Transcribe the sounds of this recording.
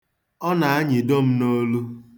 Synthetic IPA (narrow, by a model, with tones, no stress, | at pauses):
ɔ˦na˨a˦ɲɪ˨do˦m̩˦no˦lu˦